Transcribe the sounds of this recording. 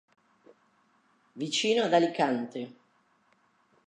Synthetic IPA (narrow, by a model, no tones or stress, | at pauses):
vit͡ʃiːnoad̪alikant̪e